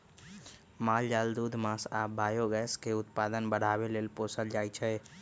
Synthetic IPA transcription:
mald͡ʒald̪ud̪ʱmasabajoɡɛskeʊt̪pad̪ənbəɽ̤aβelelposəld͡ʒajt͡ʃʰɛ

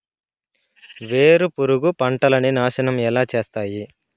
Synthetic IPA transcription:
ʋe̞ːɾupuɾuɡupɐɳʈɐlɐninaːʃɐnɐmɛlaːt͡ʃe̞ːst̪aːji

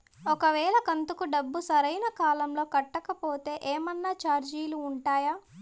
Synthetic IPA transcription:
ɔkɐʋɛːɭɐkɐnt̪ukuɖɐbːusɐɾɐjnɐkaːlɐmlo̞ːkɐʈːɐkɐpo̞ːt̪e̞ːʔeːmɐnːaːt͡ʃaːɾd͡ʒiːluːɳʈaːjaː

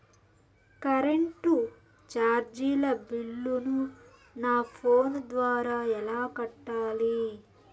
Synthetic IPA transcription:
kɐɾeɳʈu | t͡ʃaːɾd͡ʒiːlɐbilːunu | naːpʰoːnd̪ʋaːɾaːɛlaːkɐʈːaːli

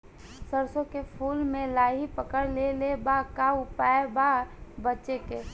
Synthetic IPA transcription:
səɾsõkepʰuːlmẽlaːɦipəkəɾlelebakaʊpaebaːɾbətːʃeke

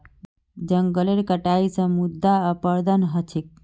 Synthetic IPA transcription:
d͡ʒəŋɡəleɾkəʈaisə̃mud̪ʱːaəpəɾd̪ənɦət͡ʃʰik̚

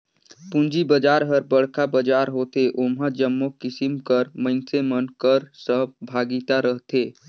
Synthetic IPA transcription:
pũnd͡ʒibəd͡ʒaːɾɦəɾbəɽ̤kabəd͡ʒaːɾɦoːt̪eʔomɦad͡ʒəmːokɪsimkəɾmə̃ɪnsemənkəɾsəbʱaːɡit̪aɾəɦt̪ʰe

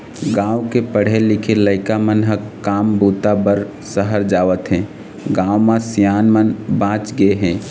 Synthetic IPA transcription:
ɡãwkepəɽ̤elikʰeləɪkamənɦəkkːaːmbut̪abəɾ | səɦəɾd͡ʒaːʋət̪ɦɛ̃ | ɡãːwmãsijaːnmənbãːt͡ʃɡeɦɛ̃

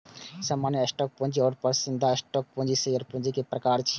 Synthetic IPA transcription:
samaːnjəəsʈɔːk̚põnd͡ʒiɔːɾpɐɾsɪ̃nd̪ʱaɐsʈɔːk̚põnd͡ʒisejəɾpũnd͡ʒikepɾɐkaːɾt͡ʃʰi

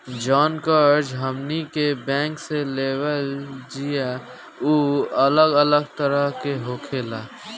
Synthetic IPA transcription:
d͡ʒɔːnkəɾd͡ʒɦəmnikebɛ̃ːŋkseleːwəld͡ʒija | uːələɡələɡt̪əɾəɦkeɦoːkʰeːlaː

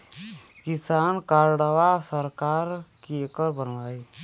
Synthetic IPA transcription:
kisaːnkaɾɽəʋasəɾkaːɾkiekəɾbənʋaːi

